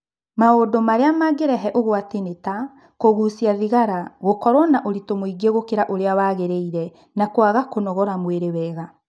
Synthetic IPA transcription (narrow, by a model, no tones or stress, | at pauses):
maodomaɾeamaɡeɾɛɦɛʔoɣwateneta | koɣusiaðiɣaɾaɣokɔɾwɔnaʔoɾitomoiɡeɣokeɾaʔoɾeawaːɣeɾeiɾɛ | nakwaɣakonɔɣɔɾamweɾewɛɣa